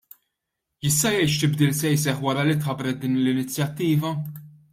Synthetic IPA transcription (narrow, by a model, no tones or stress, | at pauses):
jɪst̪ɐjɛjʃt̪ɪbd̪iːlsɛjs̬ɛħwɐɾɐlit̪ħɐbɾɛt̪̚d̪iːnlɪnɪt͡sːjɐt̪ːiːvɐ